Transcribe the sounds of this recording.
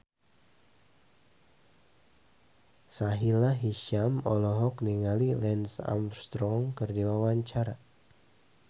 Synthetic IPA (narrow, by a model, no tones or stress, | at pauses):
saɦilaɦiʃamɔlɔɦɔkniŋalilɛnsa̰mst̪ɾɔŋkərdiwawaɲt͡ʃaɾa